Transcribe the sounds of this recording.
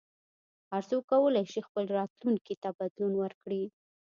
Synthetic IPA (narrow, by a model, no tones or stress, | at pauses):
aɾzokawəlajʃixpəlɾɑt̪luŋkit̪abad̪lunwəɾkɽi